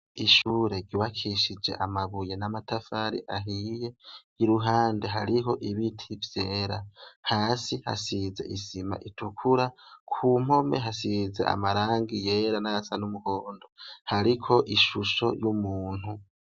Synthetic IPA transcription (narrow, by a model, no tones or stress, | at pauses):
iʃuːɾe̞ɾjuwβakʰiʃid͡ʒe̞̰ʔamaβuje̞namatʰafaɾḭʔaɦije̞ | iɾuɦaːnde̞ɦaɾiɦo̞ʔiβitʰivje̞ːɾahaːsiha̰size̞̰ʔisima̰ʔitʰukʰuɾakʰuːm̥ho̞me̞̰ɦasizḛa̰maɾaːŋɡije̞ɾanajasanumuhoːndo̞haɾikʰo̞ʔiʃuʃo̞̰jumuːn̥hu